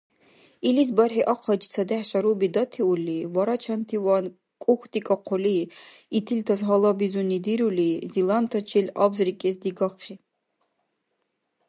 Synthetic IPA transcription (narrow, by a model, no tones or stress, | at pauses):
ilis̬baɾħiʔɑqʰɔd͡ʒt͡sʰad̪æħʃaɾubid̪at̪ʰiulːivaɾat͡ʃʰant̪ʰiwan | kʼuxt̪ikʼɑqʰɔli | it̪ʰilt̪ʰazɦɔlˠabizunid̪iɾulizilˠant̪ʰat͡ʃʰilabzɾikʼɛsd̪iɡɑqʰi